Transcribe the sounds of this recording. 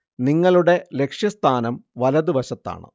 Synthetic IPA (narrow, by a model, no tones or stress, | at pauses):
niŋːɐɭuɽe̞le̞kʂjɐst̪ʰaːnɐmʋɐlɐðɨʋɐɕɐt̪ːa̰ːɳɨ̰